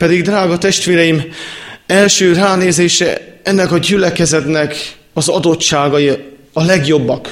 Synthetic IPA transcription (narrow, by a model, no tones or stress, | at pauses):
pɛd̪iɡd̪raːɡɒt̪ɛʃt̪ʋeːɾɛjim | ɛlʃøːraːneːzeːʃɛ̰ɛnːɛkɒɟylɛkɛzɛt̪nɛk | ɒzɒd̪o̞tt͡ʃːaːɡɒji | ɒlɛɡjo̞bːɒk